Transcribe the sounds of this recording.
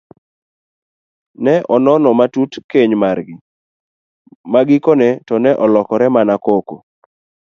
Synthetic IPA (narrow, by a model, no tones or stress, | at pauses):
nɛʔɔnɔnɔmatutkeɲmarɡɪ | maɡɪkonɛtɔnɛʔɔlɔkɔɾɛmanakoko